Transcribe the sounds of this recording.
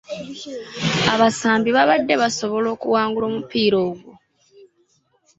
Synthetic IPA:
aβasaːmbiβaβadːe̞βaso̞βo̞lo̞ːkuwaːŋɡulo̞ːmupiːɾoːɡwo

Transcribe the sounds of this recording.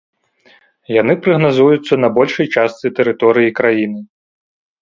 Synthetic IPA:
janɨpɾɐɣnazujut̪sːɐnɐbɔlʲʂɐjt͡ʂast̪sɨt̪ɛɾɨt̪ɔɾɨjikɾajinɨ

